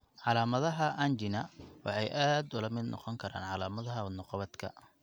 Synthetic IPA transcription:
ʕɑlaːmɐðɐɦɐʔɐnt͡ʃɪnɐwɑ̰ħɑjʔaːd̪ʊlɐmɪd̪nʔɔ̰qɔŋkʰɐɾa̰ːnʕɑlaːmɐðɐɦɐnɔqɔβɐd̪kʰɐ̰

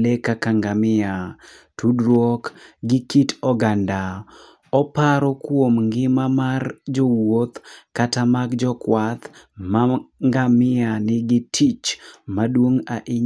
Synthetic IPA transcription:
lekakaŋɡamɪa | tʰudɾwɔkɡɪkitɔɡanda | ɔpaɾɔkwomŋɡɪmamard͡ʒɔwot̪katamaɡd͡ʒɔkwat̪maŋɡamɪanɪɡɪtʰit͡ʃmadwoŋaʔɪ

